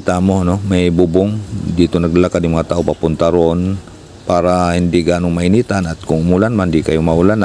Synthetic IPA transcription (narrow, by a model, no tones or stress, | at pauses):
t̪aːmoɐnomajbubʊŋd̪iːt̪onɐɡ̚lalakad̪ɪŋmɐŋat̪aːʔopapʊnt̪aɾon | paːɾahɪnd̪ɪɡaːnoŋmɐinit̪anat̪̚kʊŋʊmulanmand̪ikɐjomaulan